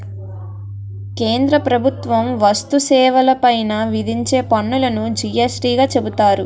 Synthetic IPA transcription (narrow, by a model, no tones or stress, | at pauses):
keːnd̪ɾɐpɾɐbʱut̪ʋɐmʋɐst̪usɛːʋɐlɐpɐjnɐʋid̪ʱiɲt͡ʃeːpɐɳːulɐnud͡ʒijesɾiːɡaːt͡ʃe̞but̪aːɾu